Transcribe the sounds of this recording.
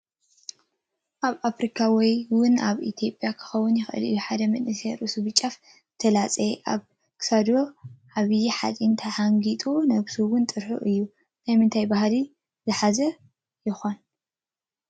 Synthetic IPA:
ʔaβʔafɾikʰawɔjwʊnaβit̪ʰjo̞pʼjakʰɨ̥xɐwːʊnjɪxʔɨ̰lɨ̰jːuħad̪ɐmɨʔɨseɾɨsuβɨt͡ʃʼːaf | t̪ʰɐlat͡sʼeʔaβ | kʰsad̪oʕaβɨjiħa̰t͡sʼint̪ʰɐhaŋɡit̪ʼunɐβsuwʊnt̪ʼɨɾħṵʔɨjːu | najmɨnt̪ʰajbahli | zɨħazɐ | jɪxon

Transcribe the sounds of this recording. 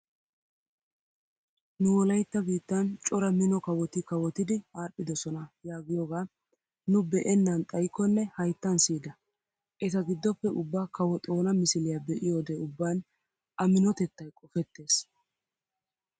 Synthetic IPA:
nʊwɔlɐjt̪ːɐɡiːt̪ːɐnt͡ʃʼɔɾɐmɪnɔkɐwɔt̪ɪkɐwɔt̪ɪd̪ɪaːɗːɪd̪ɔsɔnɐjaːɡɪjɔɡaː | nʊbɛʔɛnːɐnt̪ʼɐjkːɔnːɛhɐjt̪ːɐnsiːd̪ɐ | ʔɛt̪ɐɡɪd̪ːɔpːɛʔʊbːaːkɐwɔt̪ʼo̞ːnɐmɪsɪlɪjabɛʔɪjo̞ːd̪eʊbːaːn | ʔɐmɪnɔt̪ɛt̪ːɐjkʼɔfɛt̪ːe̞ːs

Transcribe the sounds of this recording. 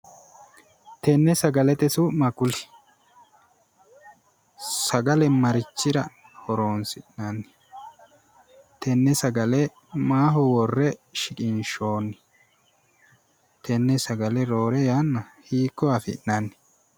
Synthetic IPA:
t̪ɛnːɛsɐɡɐlɛt̪ɛsʊmɐkʊlɪ | sɐɡɐlɛmɐɾɪt͡ʃːɪɾɐ | hɔɾo̞ːnsɪʔnɐnːɪ̥ | t̪ɛnːɛsɐɡɐlɛ | maːɦɔwɔrːɛʃɪkʼɪnʃo̞ːnːɪ̥ | t̪ʰɛnːɛsɐɡɐlɛɾo̞ːɾɛjanːɐhiːkːɔɐfɪ̰ʔnɐnːɪ̥

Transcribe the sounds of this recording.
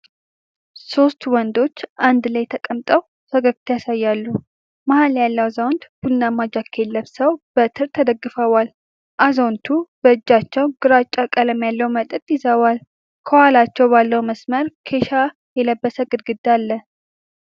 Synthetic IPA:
so̞st̪wɔnd̪o̞t͡ʃːʔand̪lajt̪ʰəkʼəmt̪ʼəw | səɡəkt̪ʰjasajːalːu | mahaljalːəwzawnd̪b̥ulnːamːad͡ʒakʰːe̞lːəβsəwb̥ət̪ʰɨɾt̪ʰəd̪əɡːɨfəwal | ʔazo̞nt̪ʰub̥əɨd͡ʒːat͡ʃːɛwɡɨɾat͡ʃʼːakʼələmjalːəwmət̪ʼɨt̪ʼjɪzəwal | kʰəwalat͡ʃːɛwbalːəwməsməɾkʰe̞ʃa | jɛləbːəsəɡɨd̪ɡɨd̪ːalːə

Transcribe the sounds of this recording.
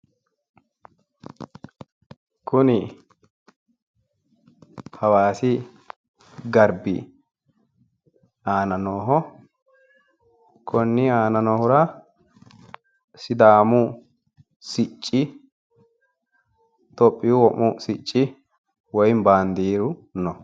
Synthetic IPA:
kʊnɪ | hɐwaːsɪ | ɡɐɾbɪ̰ | aːnɐnoːɦɔ | kʰɔnːɪaːnɐnoːhʊɾɐ | sɪd̪aːmʊ | sɪt͡ʃʼːɪ | t̪ɔpʼːɪjuwɔʔmːʊsɪt͡ʃʼːɪ | wɔjɪmbaːnd̪iːɾʊnɔ

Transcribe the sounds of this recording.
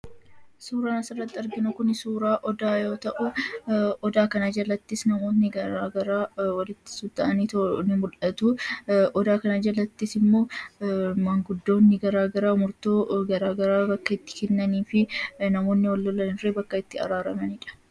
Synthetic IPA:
suːɾaːnɐsɪrːɐt̪ːɪɐɾɡɪnʊkʊnɪsuːɾaːʔɔd̪aːjo̞ːt̪ɐʔʊʔɔd̪aːkɐnaːd͡ʒɐlɐt̪ːɪsnɐmo̞ːt̪nɪɡɐɾaːɡɐɾaːwɐlɪt̪ːɪ̥sʊt̪ːɐʔɐniːt̪nɪmʊlɐt̪ʊɔd̪aːkɐnad͡ʒɐlɐt̪ːisɪmːo̞ː | mɐŋɡʊd̪ːo̞ːnːɪɡɐɾaːɡɐɾaːmʊɾt̪oːɡɐɾaːɡɐɾaːbɐkːɐɪt̪ːɪ̥kɛnːɐniːfɪnɐmo̞ːnːɪwɐlːɔlːɐnɪreːbɐkːɐɪt̪ːɪɐ̰ɾaːɾɐmɐniᶑɐ̥

